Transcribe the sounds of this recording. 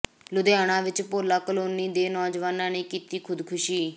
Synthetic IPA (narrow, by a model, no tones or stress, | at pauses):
lʊd̪jaːɽ̃ãːʋɪt͡ʃpoːlaːkəloːniːd̪eːnɔːd͡ʒʋaːnãːnĩːkiːt̪iːkʰʊd̪kʰʊʃiː